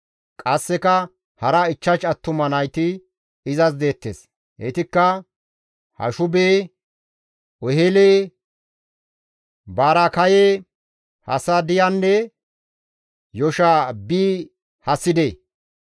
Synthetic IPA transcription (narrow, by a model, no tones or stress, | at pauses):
kʼɐsːɛkɐ | hɐɾɐɪt͡ʃːɐt͡ʃɐt̪ːʊmɐnɐjt̪ɪ | ɪzɐs̬d̪e̞ːt̪ːeːs | ɛt̪ɪkːɐ | hɐ̰ʃʊbeː | ʔɔɦeleː | baːɾakɐjeː | hɐ̰saːd̪ɪjanːɛ | jɔʃaːbiː | hɐsɪd̪eː